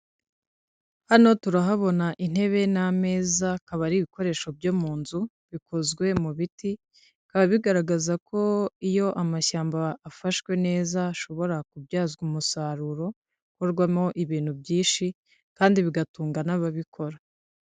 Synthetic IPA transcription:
hano̞tuɾaɦaβo̞naʔin̥he̞βe̞name̞ːzakaβaɾiβiko̞ɾe̞ːʃo̞bɟomuːnzu | βikʰo̞zɡwe̞muβiti | kaβaβiɡaɾaɡazakʰo̞ijo̞ʔamaʃaːmbaːfaʃkwe̞ne̞ːzaʃo̞βo̞ɾakubɟaːzɡumusaɾuɾo̞ | koɾɡwamo̞ʔiβiːn̥hubjiːnʃi | kaːndiβiɡatuːŋɡanaβaβikʰo̞ɾa

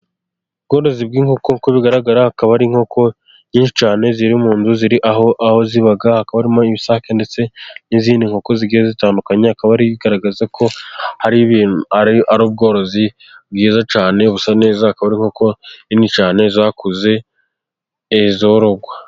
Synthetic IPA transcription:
ubɡo̞ːɾo̞zib̚ɡiːŋho̞ko̞koβiɡaɾaɡaɾahakaβaɾiŋ̥ho̞kʰo̞ | ɲiːnʃi̥t͡ʃaːne̞ziɾiumuːnzuziɾiʔahoaho̞ziβaɡahakaβaɾimoiβisakende̞t͡se̞niziːndiŋho̞ko̞ziɡiːɾezitaːndukaɲeakaβaɾiβiɡaɾaɡazakʰo̞haɾiβinaaɾuːb̚ɡo̞ːɾo̞zi | b̚ɡiːzat͡ʃaːne̞βusane̞ːzahakaβaɾiŋho̞koinit͡ʃaːne̞zakuze̞ | zo̞ɾoɡwa

